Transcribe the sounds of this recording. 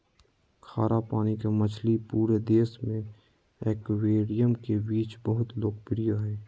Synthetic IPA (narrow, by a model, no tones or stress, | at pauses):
kʰaːɾʔapaːnikamət͡ʃʰlipuːɾed̪eːsmẽ | ekweːɽijəmkebiːt͡ʃbəɦʊt̪loːk̚pɪɾijaɦɛː